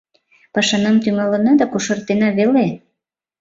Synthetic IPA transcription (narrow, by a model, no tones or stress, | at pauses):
pɑʃɑnɑmt̪yŋɑlənɑd̪ɑkuʃɤ̆rt̪enɑβele